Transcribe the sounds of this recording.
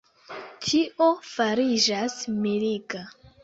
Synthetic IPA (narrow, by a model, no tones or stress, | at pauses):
tʰiʔo̞faɾid͡ʒasmelika